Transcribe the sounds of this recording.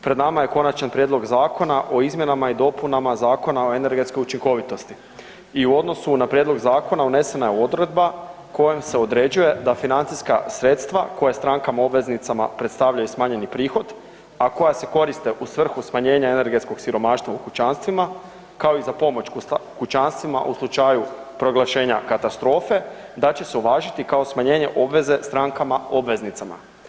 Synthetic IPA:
pɾe̞d̪namaje̞ko̞nat͡ʃanpɾje̞dlˠo̞ɡzaːko̞naʔo̞izmje̞namaid̪o̞punamazaːko̞nao̞e̞ne̞ɾɡe̞t̪skojut͡ʃiŋko̞ʋit̪o̞st̪i | iuo̞d̪no̞sunapɾje̞d̪lo̞ɡzaːko̞naune̞se̞najeo̞d̪ɾe̞d̪̚ba | ko̞jemse̞o̞d̪ɾe̞d͡ʑuje̞d̪afinant̪iskasɾe̞t̪st̪ʋako̞jast̪ɾaŋkamao̞bʋe̞znit̪sama̰pɾe̞t̪st̪aʋʎajusmaːɲe̞nipɾiːxo̞d̪ | ako̞jase̞ko̞ɾist̪e̞ʔusʋr̩xusmaɲe̞ːɲaene̞ɾɡe̞t̪sko̞ɡsiɾo̞maːʃt̪ʋaukut͡ʃanst̪ʋima | kao̞izapo̞mo̞t͡ʃkkut͡ʃanst̪ʋima̰ʔuslˠut͡ʃajupɾo̞ɡlˠaʃe̞ːɲakat̪ast̪ɾo̞ːfe̞d̪at͡ɕe̞se̞uʋaːʒit̪ikao̞smaɲe̞ːɲe̞̰ʔo̞bʋe̞ze̞st̪ɾaːŋkamao̞bʋe̞znit̪sama̰

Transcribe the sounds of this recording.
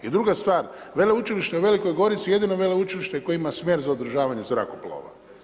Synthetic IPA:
jed̪ɾuɡast̪ʋaːɾʋe̞leut͡ʃiliʃt̪euʋe̞liko̞jɡo̞ɾit̪sije̞d̪inoʋe̞leut͡ʃiliʃt̪eko̞jeimasmʲjeːɾzaod̪ɾ̩ʒaːʋaɲezɾa̰koplo̰ːʋa̰

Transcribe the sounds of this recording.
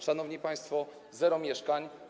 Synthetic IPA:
ʂanɔvɲipaj̃st̪fɔ | zɛɾɔmʲjɛʂkaɲ

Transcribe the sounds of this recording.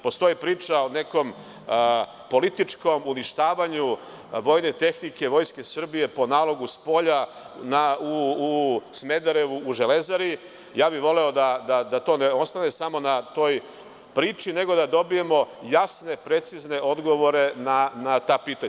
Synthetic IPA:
po̞st̪o̞ipɾiːt͡ʃao̞ne̞ko̞m | po̞lit̪it͡ʃko̞muniʃt̪aːʋaɲu | ʋo̞jne̞t̪e̞xnike̞ʋo̞ːjske̞sr̩bije̞po̞naːlˠo̞ɡuspo̞ʎa | nau | sme̞d̪aɾe̞ʋuːʒele̞zaɾi | jaːbiʋo̞le̞o̞d̪ad̪ad̪at̪o̞ːneo̞st̪ane̞samo̞nat̪o̞ːj | pɾiːt͡ʃine̞ɡo̞d̪ad̪o̞bije̞mo̞jasne̞pɾe̞t̪sizne̞ʔo̞d̪ɡo̞ʋo̞ɾe̞nanat̪aːpiːt̪aɲa

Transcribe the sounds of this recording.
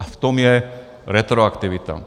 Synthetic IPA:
aft̪ɔmjɛ | ɾɛt̪ɾɔakt̪iʋit̪a̰

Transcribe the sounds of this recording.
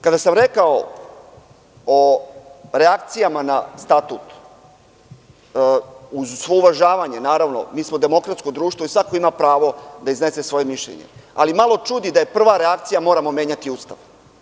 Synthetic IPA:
kad̪asamɾe̞kao | o | ɾe̞akt̪sijamanast̪at̪ut̪ | uzsʋouʋaʒaːʋaɲe̞naːɾaʋno̰miːsmo̞d̪e̞mo̞kɾat̪sko̞d̪ɾuːʃt̪ʋoisʋako̞imapɾaːʋo̞d̪aizne̞se̞sʋo̞je̞miʃʎḛɲḛa̰limalo̞t͡ʃud̪id̪aje̞pr̩ʋaɾeakt̪sijamo̞ːɾamo̞me̞ːɲat̪iust̪a̰ʋ

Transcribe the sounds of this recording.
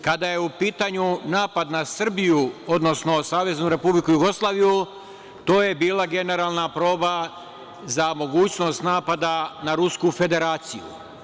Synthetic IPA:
kad̪aje̞upiːt̪aɲunaːpad̪nasr̩bijuod̪no̞sno̞saːʋe̞znuɾe̞publikujuɡo̞slˠaːʋiju | t̪o̞ːje̞biːlˠaɡe̞ne̞ɾaːlˠnapɾo̞ːba | zamo̞ɡuːt͡ɕno̞st̪naːpad̪anaɾuskufe̞d̪e̞ɾaːt̪sijṵ

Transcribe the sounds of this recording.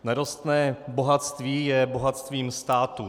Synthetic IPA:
naɾost̪nɛːbo̞ɦat̪st̪viːjɛbo̞ɦat̪st̪viːmst̪aːt̪u

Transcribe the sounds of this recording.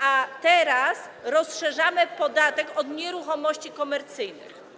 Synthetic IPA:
at̪ɛɾasɾɔsʂɛʐamɘpɔd̪at̪ɛkɔd̪ɲɛɾuxɔmɔɕt͡ɕikɔmɛɾt̪sɘjnɘ̰x

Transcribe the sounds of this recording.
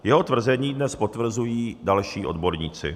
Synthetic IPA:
jɛɦo̞t̪vr̩zɛɲiːdnɛspot̪vr̩zujiːdalʃiːʔo̞dbo̞ɾɲiːt͡sɪ̰

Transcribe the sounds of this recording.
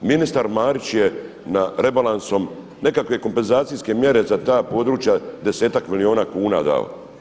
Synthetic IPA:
minist̪aɾmaːɾit͡ʃje | naɾe̞balˠanso̞m | ne̞kakʋe̞ko̞mpe̞nzaːt̪sijske̞mje̞ɾe̞zat̪aːpo̞ːd̪ɾuːt͡ʃjad̪e̞se̞ːt̪akmilio̞ːnaːkuːna̰ːd̪a̰o̰

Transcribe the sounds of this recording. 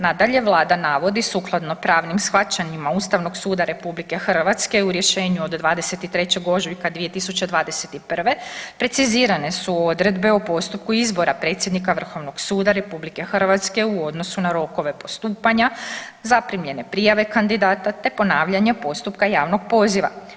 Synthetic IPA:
nad̪aʎe̞ʋlˠaːd̪anaʋo̞d̪isuklˠad̪no̞pɾaːʋnimsxʋat͡ɕaɲimauːst̪aʋno̞ɡsuːd̪aɾe̞publike̞xr̩ʋat̪ske̞uɾje̞ʃe̞ːɲuod̪d̪ʋaːd̪e̞se̞t̪it̪ɾe̞t͡ɕe̞ɡo̞ʒikad̪ʋije̞t̪isut͡ɕe̞d̪ʋaːd̪ese̞t̪ipr̩ʋe̞pɾe̞t̪siziːɾane̞suo̞d̪ɾed̪be̞opo̞st̪up̚kuizbo̞ɾapɾe̞t̪sʲje̞d̪nikaʋr̩xo̞ʋnoɡsuːd̪aɾe̞publike̞xrʋat̪ske̞uo̞d̪no̞sunaɾo̞ko̞ʋe̞po̞st̪uːpaɲazapɾimʎe̞ne̞pɾijaʋe̞kand̪id̪aːt̪at̪e̞po̞naːʋʎaɲe̞po̞st̪upkajaːʋno̞ɡpo̞ːziʋa̰

